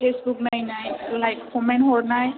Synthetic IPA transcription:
pʰesbuk̚najnajlajkkɔmɛnɦɔɹnaj

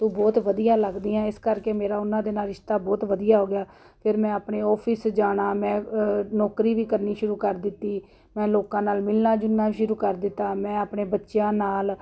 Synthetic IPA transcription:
t̪ũːbɔːt̪ʋəd̪ijãːləɡd̪iːãːɪskəɾkeːmeːɾaːʊnːãːd̪eːnaːlɾɪʃt̪aːbɔːt̪ʋəd̪ijaːɦoːɡɪjaː | pʰɪɾmɛ̃ːəpɳeːɔːpʰɪsd͡ʒaːɽ̃aːmɛ̃ːnɔːkɾiːʋiːkəɾniːʃʊɾuːkəɾd̪ɪt̪ːiː | mɛ̃ːloːkãːnaːlmɪlnaːd͡ʒʊnːaːʃʊɾuːkəɾd̪ɪt̪ːaːmɛ̃ːəpɳeːbətːʃjãːnaːl

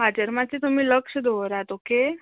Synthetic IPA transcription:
ɦad͡ʑəɾmat͡ɕit̪um̤iːləkʂəd̪oʋɾat̪oke

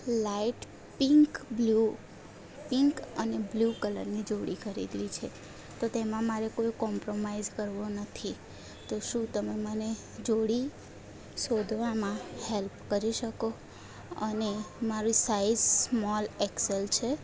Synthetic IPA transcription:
laiʈ | piŋkblu | piŋkəneblukələ̰ɾnid͡ʒoɽikəɾḭd̪lit͡ʃʰe | t̪ot̪emãmaɾekojkɔmpɾomaizkəɾʋonət̪ʰi | t̪oʃũt̪əmeməne | d͡ʒoɽi | sod̪ʱʋamãhelpkəɾiʃəko | ənemaɾĩsaizsmɔlɛkselt͡ʃʰe

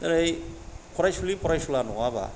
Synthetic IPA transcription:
aɾajkʰɔɾajsulipʰɔɾajsulanuŋaba̰

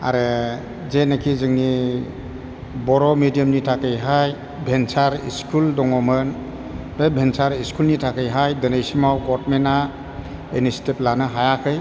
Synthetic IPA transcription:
a̰ɾɯ | zenakʰizɯŋni | bɔɾɔmidijəmnitʰakɯjɦaj | bʱensaɾḭskʰuldɔŋɔmɯn | bebʱensaɾiskʰulnitʰakʰɯjɦajdɯnejsimawɡɔt̚mena | enisteplanɯɦajakʰɯj

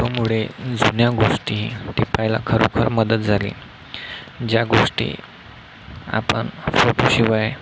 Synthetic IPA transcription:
omuɭed͡zunjaɡoʂʈit̪ipajla̰kʰəɾokʰəɾməd̪ət̪̚d͡zʱalḭː | d͡ʑjaɡoʂʈḭː | a̰pəɳfoʈoɕiʋaj

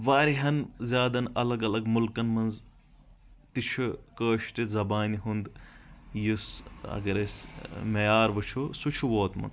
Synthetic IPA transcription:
ʋaːɾiɦɐnzʲjaːd̪ɐnɐlɐɡɐlɐɡmulkɐnmɐnz | t̪it͡ʃʰukəːʃt̪izɐbaːniɦund̪jusɐ̰ɡɐɾɐsʲmɐjaːɾʋɨt͡ʃʰusut͡ʃʰuʋoːt̪mɐ̰nz

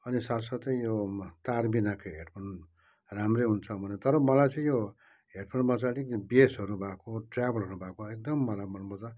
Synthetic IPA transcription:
ʌnisat̪sʌt̪ʌĩjot̪arbinakoɦeʈpʰʌn | ramreɦunt͡sʰʌbʱʌnet̪ʌɾʌmʌlajt͡sʌ̃ĩjo | ɦeʈpʰʌnmʌt͡saɽikbesɦʌɾubʱakoɖrabʌlɦʌɾubʱakoek̚d̪ʌmːʌlajmʌnmʌt͡sa

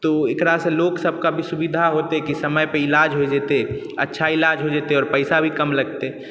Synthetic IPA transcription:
t̪oekɾasẽloksəb̚ʱkabʱisubid̪ʱaɦot̪ekisəməjpeilad͡ʒɦod͡ʒet̪e | ə̰tːʃʰailad͡ʒɦod͡ʒeːt̪eɔːɾpəɪsabʱikəmləɡt̪e

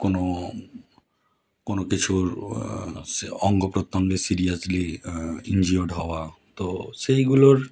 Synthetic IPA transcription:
kono | konokit͡ɕʰuɾ | ɔŋɡopɾot̪ːoŋɡesiɾiasliḭnd͡ʑioɖɦɔoat̪osejɡuloɾ

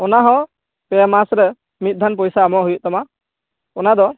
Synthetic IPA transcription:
ɔnaɦɔ̃ | pɛamasɾɛ | mit̪̚ˀd̪ʱanpɔjsaːmɔʔɦujuʔ̚t̪ɔma | ɔnad̪ɔ

